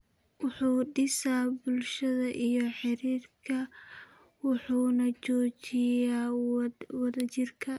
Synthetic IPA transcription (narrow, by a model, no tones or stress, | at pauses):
wʊħuːɖɪsabʊlʃɐðɐʔijɞħɪɾiːrkʰɐ | wʊħuːnɐt͡ʃɔːt͡ʃɪjaː | wɑðɐt͡ʃɪrkʰɐ